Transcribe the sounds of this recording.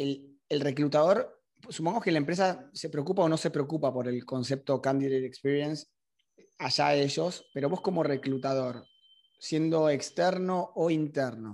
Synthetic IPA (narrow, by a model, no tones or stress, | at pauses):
el | elre̞klut̪að̞oɾ | supoŋɡoke̞laempɾes̬ase̞pɾekupao̞no̞se̞pɾeokupapo̞ɾe̞lko̞nse̞p̚t̪o̞kand̪iðejt̪ekspiɾjens | aʒae̞ʃo̞spe̞ɾo̞βo̞sko̞mo̞re̞klut̪að̞o̞ɾ | sje̞nd̪o̞ekst̪eɾno̞ːint̪eɾno̞